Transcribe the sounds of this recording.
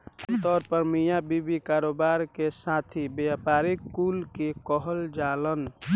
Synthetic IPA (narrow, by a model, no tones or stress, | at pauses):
t̪ɔːɾpəɾmijabibikaɾoːbaɾkesat̪ʰibjapaɾikːulkekɔɦəld͡ʒalən